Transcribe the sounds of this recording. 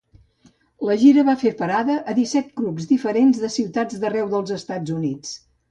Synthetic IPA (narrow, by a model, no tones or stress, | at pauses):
ləʒiɾəβafeɾpəɾaðəʔəðisɛt̪̚kɾubzd̪ifəɾenzðəsiwt̪ad͡zd̪ərɛwðəlˠzəst̪ad͡zunit͡s